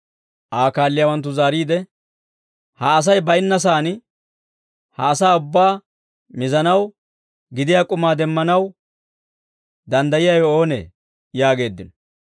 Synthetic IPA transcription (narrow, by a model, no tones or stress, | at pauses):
ʔaːkaːlːɪjaːwɐnt̪̬ːʊzaːɾiːd̪ɛ | hɐːs̬ɐjbɐjɪnːɐs̬aːnɪ | hɐːsaːʊbːaː | mɪzɐnɐw | ɡɪd̪ɪjaːkʼʊmaːd̪ɛmːɐnɐw | d̪ɐnd̪ɐjɪjajɔo̞ːnḛː | jaːɡe̞ːd̪ːɪnɔ